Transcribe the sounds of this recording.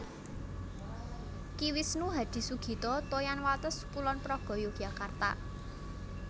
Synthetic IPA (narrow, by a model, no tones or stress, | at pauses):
kiwisnuɦad̪̥i̤suɡ̥i̤t̪ɔt̪ojanwat̪əspulɔnpɾɔɡ̥ɔ̤joɡ̥ä̤kart̪a̰